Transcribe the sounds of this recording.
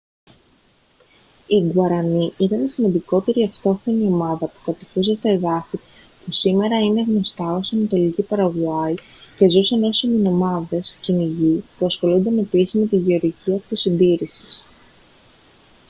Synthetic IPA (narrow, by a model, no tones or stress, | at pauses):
iɡuɐɾɐniit̪ɐnisimɐnd̪iko̞t̪e̞ɾiɐft̪o̞θenio̞mɐðɐpu̥kɐt̪ikusest̪ɐeðɐθi | pusime̞ɾɐine̞ɣno̞st̪ɐo̞sɐnɐt̪o̞licipɐɾɐɣuɐi | ce̞zuseno̞siminomɐðe̞sciniʝipuɐsxo̞lund̪enɐepisizme̞t̪iʝe̞o̞ɾʝiciɐpot̪isind̪iɾisi̥s